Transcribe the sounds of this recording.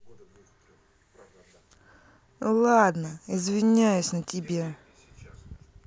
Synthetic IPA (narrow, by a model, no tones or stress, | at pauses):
lˠad̪nəɪzvʲɪnʲæjʉsʲnətʲɪbʲe